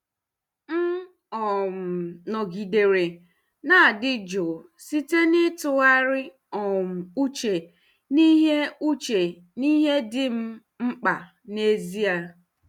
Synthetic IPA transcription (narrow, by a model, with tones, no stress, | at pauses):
m̩˦ | ɔ˨m̩˨nɔ˨ɡi˨de˨ɾe˨ | na˦˨dɪ˦d͡ʒo˨ | si˦te˦nɪ˦tʊ˦a˦ɾɪ˦ | ɔ˨m̩˨u˦t͡ʃe˨ | ni˦ɦe˦u˦t͡ʃe˨ | ni˦ɦe˦dɪ˦m̩˦ | ŋ͡m̩˦k͡pa˨ | ne˦zi˦a˦